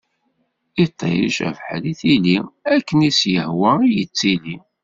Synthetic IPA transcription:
it̪ˤʰːḛɾḭʃæ̰vħliθiliækːənisjəhwæijət͡sːili

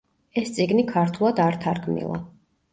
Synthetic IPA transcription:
ɛst̪sʼiɡnikʰaɾt̪ʰulˠad̪aɾt̪ʰaɾkʰmḭlˠa̰

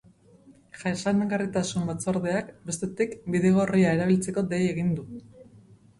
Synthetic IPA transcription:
ʝaesaneɡarit̪asumbat͡so̞ɾðe̞akbe̞st̪e̞t̪ikbiðe̞ɣ̞o̞riae̞ɾaβilt͡se̞ko̞d̪e̞je̞ɣind̪u

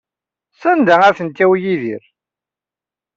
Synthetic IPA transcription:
sænd̪ææθənt̪ːæwjiðiɾ

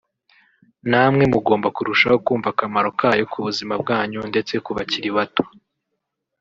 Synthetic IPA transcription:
namŋe̞muɡo̞ːmbakuɾuʃaho̞kuːɱvakamaɾo̞kʰaːjo̞kʰuβuzimab̚ɡaːɲunde̞t͡se̞kuβaciɾiβato̥

